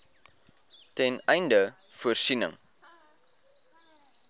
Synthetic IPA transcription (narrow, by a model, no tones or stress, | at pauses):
tɛnɛjndə | fuərsinə̰ŋ